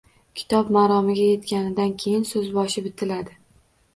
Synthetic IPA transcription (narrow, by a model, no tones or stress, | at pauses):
kʲʰɪ̥t̪ʰɒpmaɾɒmɪɡʲaje̞t̪kʲanɪd̪ankʲʰe̞jɪnsɵzbɒʃɪbɪt̪ʰɪlad̪ɪ